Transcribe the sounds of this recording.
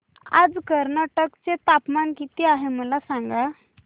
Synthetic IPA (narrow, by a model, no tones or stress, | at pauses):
a̰d͡zkəɾnaʈəkt͡set̪apmankit̪iaɦeməlasaŋɡa